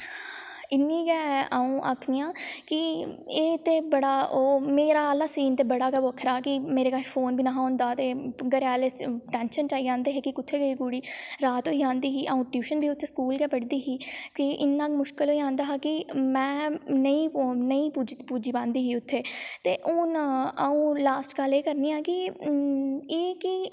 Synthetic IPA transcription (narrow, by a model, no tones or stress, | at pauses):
ɪnːĩːɡɛːʔaːũːʔa̰ːkʰnɪjãːkɪeːt̪eːbəɽaːoːmeːɾaːəlaːsiːnt̪eːbəɽaːkɛːʋoːəkʰɾaːkɪmeːɾeːkaʃfʰoːnbʱiːnaːɦõːnd̪aːt̪eːɡəɾaːleːʈɛːnʃənt͡ʃaːiːãːnd̪eːɦeːkɪkʊt̪ʰːeːɡəiːɡuːɽiːɾaːt̪oːiãːnd̪iːɦiːʔaũːʈjuːʃənbʱiːʊt̪ʰːeːskuːlkɛːpəɽd̪iːɦiːkɪʔɪnːãːkmʊʃkɪlɦoːiːãːnd̪aːɦakɪmɛ̃ːnəĩːnəĩːpuːd͡ʒ̪puːd͡ʒiːpãːnd̪iːɦiːʊt̪ʰːeːt̪eːʔʊːnəũːlaːsʈkəleːkəɾniːaːkɪ | eːkɪ